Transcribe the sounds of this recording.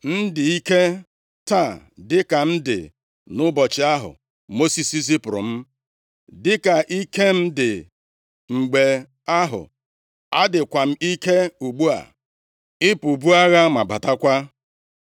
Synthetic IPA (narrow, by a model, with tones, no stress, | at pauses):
n̩˦dɪ˨i˦ke˦ | ta˦˨dɪ˦ka˨m̩˦dɪ̰˨ | nʊ˦bɔ˨t͡ʃɪ˨a˦ɦʊ̰˨ | mo˦si˨si˦s̬i˦pʊ˨ɾʊ̰˨m̩˦ | dɪ˦ka˨ʔi˦ke˦m̩˦dɪ˨ | ŋ͡m̩˨ɡ͡be˨ | a˦ɦʊ̰˨ | a˦dɪ˨kʷa˨m̩˦i˦ke˦u˨ɡ͡bu˦a̰˨ | ɪ˦pu˨bu˦a˦ɣa˦ma˨ba˨ta˦kʷa˦